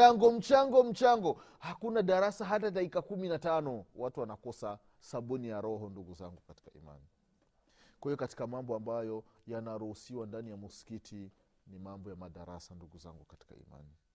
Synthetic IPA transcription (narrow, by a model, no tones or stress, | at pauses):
aŋɡɔm̩t͡ʃaŋɡɔm̩t͡ʃaŋɡɔ | hakunaɗaɾasaɦatataikakuminatanɔwatuwanakɔsa | saɓunijaɾɔɦɔnduɡuzaŋɡukati̥kaḭma̰ni | kwahijɔkati̥kamambɔambajɔjanaɾuhusiwandanijamuskitʰi | nimambɔjamaɗaɾa̰sanduɡuza̰ŋɡukati̥ka̰ḭma̰ni